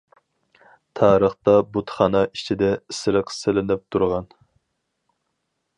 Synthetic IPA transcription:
t̪ʰɑːɾəχt̪ɑbut̪χɑnɑi̥t͡ʃʰid̪ɛsɪɾɨqʰsɪlɪnɪp̚t̪ʰuɾʁɑn

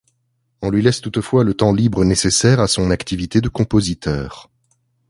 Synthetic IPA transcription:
ɔ̃lɥilɛst̪ut̪fwalət̪ɑ̃libʁənesesɛʁasɔ̃nakt̪ivit̪ed̪əkɔ̃pozit̪œːʁ

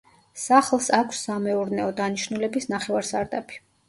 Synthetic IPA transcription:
saχlˠsakʷʰsːamɛuɾnɛɔd̪aniʃnulɛbisnaχɛvaɾsaɾd̪abʰi̥

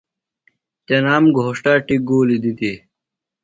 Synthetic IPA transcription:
t͡ɕɐnaːmɡʱoʂʈaːʈiɡoːlid̪id̪i

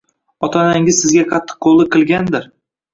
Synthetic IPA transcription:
ɒt̪ʰɒnaŋʲɪzsɪzɡʲaqʰɑt̪ʰːɨ̥qʰːolˠɨqʰɨlˠɡʲand̪ɪɾ

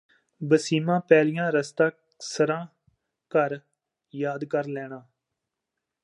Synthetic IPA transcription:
bəsiːmãːpɛːlijãːɾəst̪ãː | səɾãː | kəɾ | jaːd̪kəɾlɛːɳãː

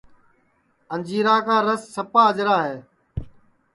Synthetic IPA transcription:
ənd͡ʒiːɾaːkaːɾəsːəpaːəd͡ʒɾaːɦeː

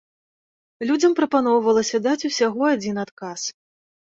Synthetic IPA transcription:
lʲud͡zʲɐmpɾɐpanɔwvɐlˠɐsʲɐd̪at͡sʲusʲaɣɔad͡zʲinat̪kas

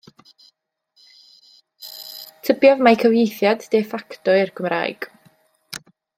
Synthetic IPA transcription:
tʰəbjɔvmajkʰəvjejθjadːefaktɔɪrɡəmra̰ːjɡ̥

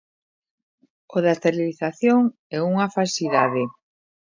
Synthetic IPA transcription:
oðast̪eɾiliθaθjoŋ | ɛuŋafalsiðaðe

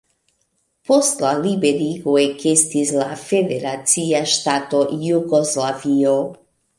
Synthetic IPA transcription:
post̪lalibeɾiɡoekest̪islafed̪eɾat̪t͡siaʃt̪at̪ojuɡoslavio

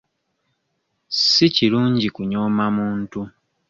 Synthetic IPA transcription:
siciluːɲɟikuɲo̞ːmamuːntu

